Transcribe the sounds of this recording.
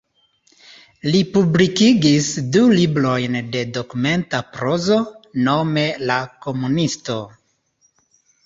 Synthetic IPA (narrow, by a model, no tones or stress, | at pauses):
lipublikiɡisdulibɾo̞jnde̞do̞kume̞ntapɾo̞zo̞no̞me̞lako̞munisto̞